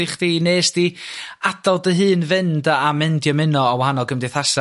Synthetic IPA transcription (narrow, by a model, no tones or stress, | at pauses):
ɪχd̥ineːsd̥iadalˠdəɦɨːnvɨndaamɨndjɔmɨnɔɔwahanɔɡəmdɪθasa